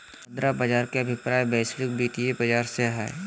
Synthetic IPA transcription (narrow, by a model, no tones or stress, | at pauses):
ɐ̃nd̪ɾabɐd͡ʒaːɾkeɐbʱɪpɾaːjbɛːslɪk̚biːt̪iebɐd͡ʒaːɾseɦɛ̰ː